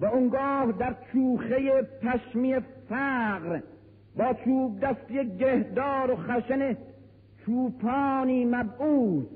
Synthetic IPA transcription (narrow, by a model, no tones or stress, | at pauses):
væoŋɡɒːhd̪æɾt͡ʃʰuːχejepʰæʃmijefæːqɾ | bɒːt͡ʃʰuːb̚d̪æst̪ejek̚ɟehd̪ɒːɾoχæʃene | t͡ʃʰuːpʰɒːniːmæbʔuːt̪